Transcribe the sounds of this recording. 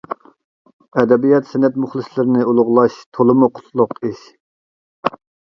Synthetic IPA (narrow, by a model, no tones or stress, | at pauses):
ɛd̪ɛbijɑt̪sɛnɛt̪mʊχlˠɨslɪɾɪnɪulˠʊʁlˠɑʃt̪ʰolˠɨmuqʰʊ̥t̪ʰlˠʊqiʃ